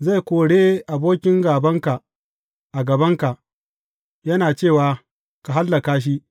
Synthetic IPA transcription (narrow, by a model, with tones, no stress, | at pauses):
za˦˨jkʷoː˨ɽeː˦ʔa˨boː˦kʲɪ˦ŋɡaː˨bɐ˦ŋka˨ | ʔa˨ɡɐ˨bɐ˦ŋka˨ʔ | jɐ˦naː˨t͡ʃeː˦˨waː˨ | ka˨ɦa˦lːɐ˨kaː˦ʃ̬i˦ʔ